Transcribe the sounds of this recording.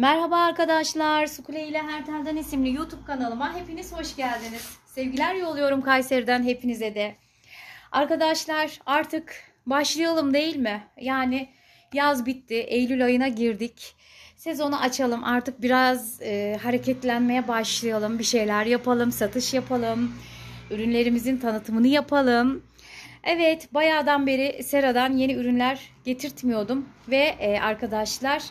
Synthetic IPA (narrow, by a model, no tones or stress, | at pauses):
mæɾɦabaːɾkad̪aʃlˠaɾsukʰulʲejilʲɛɦæɾt̪ʰæɾd̪ænisimlʲijuːt̪ʰub̚kanalˠɯmanɦe̞piniz̥ho̞ʃɟælʲd̪iniz̥sɛvɟilʲæɾjo̞lˠujo̞ɾumkʰajseɾd̪ænɦe̞pʰinizɛd̪ɛ | aɾkad̪aʃlˠaɾaɾt̪ʰɯk | baʃlˠɯjalˠɯmd̪e̞jilʲmɪjaːnɪ | jazbit̪ːɪʔejlʲylʲajɯnaɟiɾd̪ic | se̞zo̞naʔat͡ʃʰalˠɯmʔaɾt̪ʰɯk̚biɾazɯɦaɾe̞cʰɛt̪lʲænme̞jɛbaʃlˠɯjalˠɯmbiʃe̞jlʲæɾjapʰalˠɯmsat̪ʰɯʃjapʰalˠɯmyɾynlʲe̞ɾimizint̪ʰanɯt̪ʰɯmɯnɯjapʰalˠɯm | ɛvɛt̪bajaːd̪anbe̞ɾɪseɾad̪anje̞niyɾynlʲæɾɟ̥e̞t̪ʰiɾt̪mijo̞ɾd̪umvɛʔaɾkʰad̪aʃlˠaɾ̥